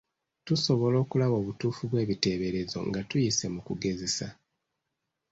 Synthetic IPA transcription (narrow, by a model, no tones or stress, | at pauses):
tuso̞βo̞lo̞ːkulaβo̞ːβutuːfuβwe̞ːβite̞ːβe̞ɾe̞zo̞̰ŋɡatujise̞mukuɡe̞ze̞sa